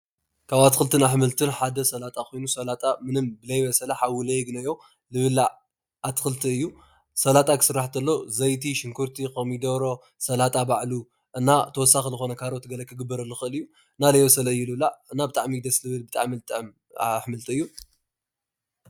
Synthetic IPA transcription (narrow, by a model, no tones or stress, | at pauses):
kʰaβat̪ɨxɨlt̪ʰɨnaħmɨlt̪ʰɨnħad̪ɐsɐlat̪ʼakʰojnusɐlat̪ʼamɨnɨmbɨlɐjβɐsɐlaħawɨlɐjɡnɐjo̞ | lɨβɨla | at̪xɨlt̪ʰiɨjːu | sɐlat̪ʼakʰɨ̥sɨɾːaħt̪ʰɐlːozɐjt̪ʰiʃɪŋkʰuɾt̪ʰikʰɐmid̪ɐβɾo̞ | sɐlat̪ʼabaʕlu | ʔɨnːat̪ʰɐwɔsːaxizɨxo̞nɐkʰaɾot̪ʰːɨɡɐlɐkʰɨɡɨbːɐɾɐlːuxɨɨlɨjːu | ɨnːalɐjβɐsɐlɐɨjːulɨβlaɨnːabɨt̪ʼaʕmid̪ɐslɨβɨlbɨt̪ʼaʕmilɨt̪ʼɨʕm | aħmɨlt̪ʰɨɨjːu